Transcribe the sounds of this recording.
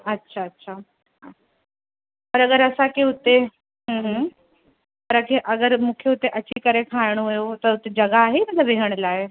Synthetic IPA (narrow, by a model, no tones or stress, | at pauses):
ətːɕʰaːtːɕʰa | ɦa | pəɾəɡəɾəsakeut̪ːe | ɦə̃ɦ | pəɾəkʰeʔəɡəɾmukʰjeut̪eʔət͡ɕikəɾekʰãjɳ̃oʋjot̪əut̪ed͡ʑəɡaːɦemət̪laʋeɦəɳ̃laɦe